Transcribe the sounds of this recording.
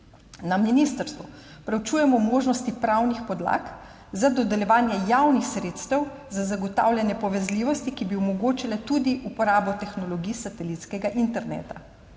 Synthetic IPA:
naminist̪əɾst̪ʋu | pɾɛwt͡ʃuːjɛmɔmoːʒnɔst̪ipɾawnixpɔd̪la̰k | zad̪ɔd̪ɛljɛʋaːnjɛjaːwnixsɾeːt̪st̪ɛwzazaɡɔt̪a̰ːwlʲjɛnjɛpɔʋɛzliːʋɔst̪ikibiumɔɡoːt͡ʃilɛt̪ud̪iʔupɔɾaːbɔt̪ɛxnɔlɔɡiːsat̪ɛlit̪skɛɡaʔint̪ɛɾnḛːt̪a

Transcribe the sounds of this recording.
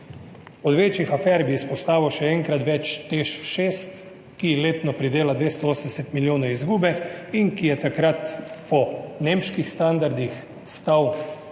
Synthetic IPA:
ɔd̪ʋeːt͡ʃjixafɛːɾbiːspɔst̪aːʋɛwʃɛɛŋkɾat̪ʋɛt͡ʃt̪eʃʃeːst̪ | kileːt̪nɔpɾid̪eːlad̪ʋeːst̪ɔoːsənd̪ɛsɛt̪miljoːnɔizɡuːbɛiŋkijɛt̪akɾat̪pɔnemʃkixst̪and̪aɾd̪ix | st̪aw

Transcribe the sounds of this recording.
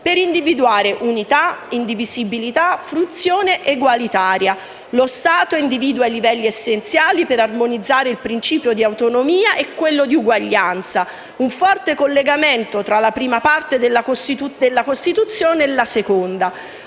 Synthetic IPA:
peɾind̪ivid̪uaːɾeʔunit̪aind̪ivizibilit̪afɾut̪sːjoːneʔeɡwalit̪aːɾja | lost̪aːt̪oind̪iviːd̪uajlivɛlːiesːent̪sjaːlipeɾarmonid̪zːaːɾeilpɾint͡ʃiːpjod̪iawt̪onomiːaʔɛkːwelːod̪iuɡwaʎːant̪sa | uɱfɔrt̪ekolːeɡament̪ot̪ɾalapɾiːmapart̪ed̪elːakost̪it̪ud̪elːakost̪it̪ut̪sːjoːneːlːasekond̪a

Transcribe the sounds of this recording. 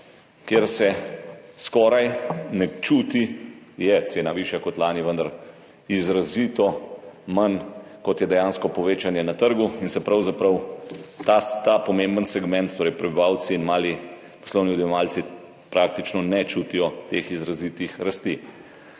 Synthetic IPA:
kjeɾsɛskɔːɾajnɛt͡ʃuːt̪ijɛt̪seːnaʋiːʃjakɔt̪laːniʋənd̪ɐɾ | izɾaziːt̪ɔmankɔt̪jɛd̪ɛjaːnskɔpɔʋeːt͡ʃanjɛnat̪əɾɡuinsɛpɾɐwzapɾɐwt̪at̪apɔmembənsɛɡmɛ̃nt̪t̪ːoːɾɛjpɾɛbiʋaːw̪siːnmaːli | pɔ̥slɔwniud̪jɛʋaːlsi | pɾʔaːkt̪it͡ʃnɔnɛt͡ʃut̪ijɔt̪exizɾaziːt̪ixɾast̪i

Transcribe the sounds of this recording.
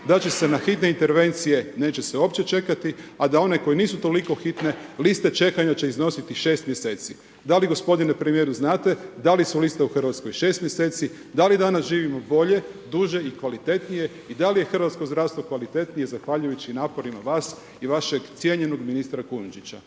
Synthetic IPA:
d̪at͡ɕe̞se̞naxit̪ne̞int̪e̞ɾʋe̞nt̪sije̞ne̞ːt͡ɕe̞seo̞ːpt͡ɕe̞t͡ʃe̞kat̪iad̪ao̞ne̞ko̞jeniːsut̪o̞liko̞xit̪ne̞list̪e̞t͡ʃe̞kaɲat͡ɕe̞izno̞sit̪iʃe̞ːst̪mje̞se̞ːt̪si | d̪aliɡo̞spo̞d̪inepɾemije̞ɾuznaːt̪e̞d̪alisulist̪euxr̩ʋat̪sko̞jʃe̞ːst̪mje̞se̞ːt̪si | d̪alid̪anasʒiːʋimo̞bo̞ʎe̞d̪uʒe̞ikʋalit̪e̞t̪nije̞ | id̪alije̞xr̩ʋat̪skozd̪ɾaːʋst̪ʋo̞kʋalit̪e̞t̪nije̞zaxʋaʎujut͡ɕinaːpo̞ɾimaʋaːs | iʋaʃe̞ɡt̪sje̞ɲe̞noɡminist̪ɾakunud͡ʒit͡ɕa

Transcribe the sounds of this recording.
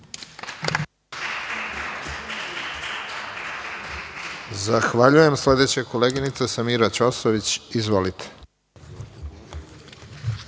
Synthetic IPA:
zaxʋaʎuje̞msle̞d̪e̞t͡ɕekoleːɡinit̪sesamiːɾat͡ʃosoʋit͡ɕizʋo̞lit̪ʰe̥

